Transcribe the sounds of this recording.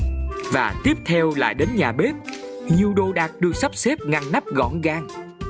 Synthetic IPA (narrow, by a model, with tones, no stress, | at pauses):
vaː˨˩t̪i˦˥əp̚t̪ʰɛ˧wla̰ː˧˨jɗe˨˦nɲaː˨˩ɓe˦˥t̚ɲi˨˩əwɗo˧ɗaː˨˩t̚ɗɨ˧əksa˦˥p̚se˦˥p̚ŋa˨˧nna˦˥p̚ɣɔ̰˧˩nɣaː˧ŋ